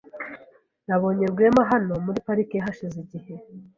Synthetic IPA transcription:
naβo̞ːɲeɾɡwemaɦano̞muɾipaɾikeaɦaʃiziɟihe̞

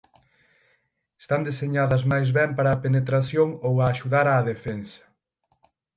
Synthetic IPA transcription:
est̪and̪eseɲaðɐzmajzβɛmpaɾɐːpenet̪ɾaθjoŋowaːʃuðaɾaːðefɛnsɐ̥

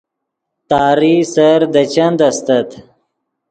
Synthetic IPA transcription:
t̪ɑːɾisɐɾd̪ɐt͡ɕɐnd̪ɐst̪ɐt̪

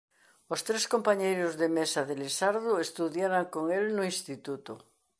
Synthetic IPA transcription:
ost̪ɾeskompaɲejɾozðemesaðelesaɾðoest̪uðjaɾaŋkoŋelnoinst̪it̪ut̪o

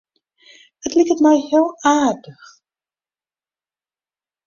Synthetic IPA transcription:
ətlikətmɛjhɪːlˠaːrdəx

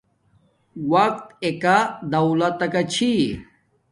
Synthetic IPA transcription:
wɐk̚t̪ekad̪ɐwlat̪ːɐkat͡ɕʰi

